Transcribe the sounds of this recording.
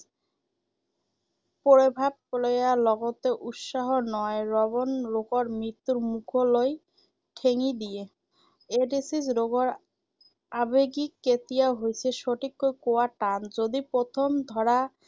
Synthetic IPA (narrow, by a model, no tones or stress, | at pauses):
poɾebʱab̚kolejalɔɡot̪eʔut̪ʃaɦonɔeɾɔbonɾokoɾmɾit̪ːuɾmukʰoloj | ʈʰeŋid̪ije | eɖisisɾoɡoɾ | abeɡikːet̪ijaɦojt͡ɕʰeʃoʈʰikːojkowaʈand͡ʑod̪ipɾot̪ʰomd̪ʱɔɾa